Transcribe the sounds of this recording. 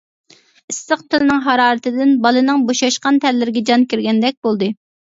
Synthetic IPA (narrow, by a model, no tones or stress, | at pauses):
ist̪ɨqt̪ʰɪlnɨŋɦɑɾɑːɾɨt̪ɪd̪ɪnbɑlˠɨnɨŋboʃɑʃqɑnt̪ʰɛɾlːɪɾɪɡʲɛd͡ʒɑnkʲiɾɡʲɛnd̪ɛk̚ʲbolˠd̪ɨ